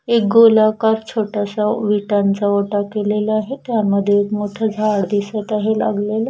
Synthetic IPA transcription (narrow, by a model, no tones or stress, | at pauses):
ek̚ɡolakaɾt͡ɕʰoʈasaʋiʈant͡saoʈakelelaaɦet̪jamːəd̪ʱːjeekmoʈʰad͡zʱaɽd̪isət̪aɦela̰ɡlela